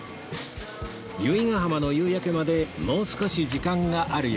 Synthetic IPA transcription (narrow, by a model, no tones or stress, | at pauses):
jɯiŋaɦamano̞jɯːjake̞mad̪e̞mo̞ːsɨ̥ko̞ɕid͡ʑikãŋɡaʔaɾɯ̟j